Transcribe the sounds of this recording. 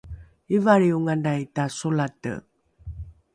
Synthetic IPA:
ivaɾiuŋanajtasulatə̰

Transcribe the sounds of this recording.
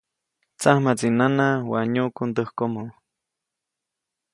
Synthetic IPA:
t͡sahmat͡sinanawaɲukund̪əhkomu

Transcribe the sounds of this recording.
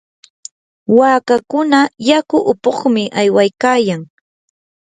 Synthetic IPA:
waːkakʊnajakʊʔʊpoχmɪʔajwajkaːjaŋ

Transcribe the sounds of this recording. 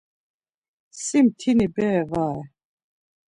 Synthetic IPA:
simt̪ʰinibɛːvaɛ

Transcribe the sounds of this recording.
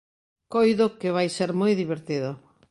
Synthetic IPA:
kojðʊkɪβ̞ajseɾmojðiβeɾt̪iðʊ

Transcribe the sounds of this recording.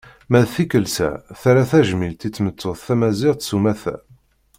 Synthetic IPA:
mæðθikəlsæ̰θæɾæθæʒmilt̪it͡sːmət͡s̪ːoðθæmæziʁt̪sumæθæ̰

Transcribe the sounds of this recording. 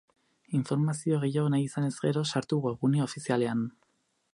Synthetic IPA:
iɱfo̞ɾmasio̞ɣ̞ejanajisane̞zɣe̞ɾo̞saɾt̪uɣeɣuneo̞fisiale̞an

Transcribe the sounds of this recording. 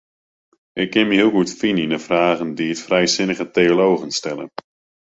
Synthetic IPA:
ɪkːɪnməɦilˠɡutfininəfraːɣəndiətfrɛjsɪnəɣəteolowɣənstɛlə̰n

